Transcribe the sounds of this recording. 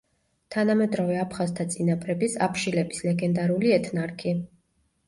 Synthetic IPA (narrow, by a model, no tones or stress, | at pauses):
t̪ʰanamɛd̪ɾɔvɛapʰχazt̪ʰat̪sʼinapʰʼɾɛbisa̰pʰʃilɛbislɛɡɛnd̪aɾuliɛt̪ʰnaɾkʰi